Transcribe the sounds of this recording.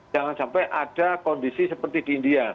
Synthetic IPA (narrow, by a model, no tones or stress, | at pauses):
aŋansampajʔad̥akɔndisisəpərt̪id̥iːndia